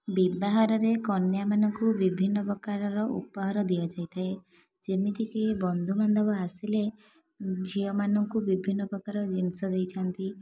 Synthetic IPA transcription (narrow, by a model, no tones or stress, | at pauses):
bibaɦɔɾɔɾekɔnjamanɔŋkubibʱinːɔpɾɔkaɾɔɾɔʔṵpɔɦɔɾɔd̪iɔd͡ʒajt̪ʰae | d͡ʒemit̪ʰikibɔnd̪ʱumand̪ʱɔbɔasile | d͡ʒʱiɔmanɔŋkubibʱinːɔpɾɔkaɾɔd͡ʒinsɔd̪ejt͡ʃʰɔnt̪i